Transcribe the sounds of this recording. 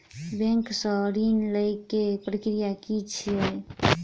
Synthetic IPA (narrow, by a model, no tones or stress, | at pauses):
bɛ̃ŋksəɾinləjkːepɾəkɾijakit͡ʃʰie